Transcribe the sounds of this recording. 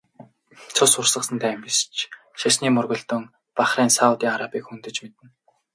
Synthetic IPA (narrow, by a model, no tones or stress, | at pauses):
t͡sʰʊsʊrsə̆sə̆nt̪ʰæːmist͡ɕʰ | ʃasniːmɵrɣɵ̆ɮt̪ɵ̆ŋ | paχriːnsaut̪iːŋaɾapiːkxunt̪ɘ̆t͡ɕmet̪ɘ̆n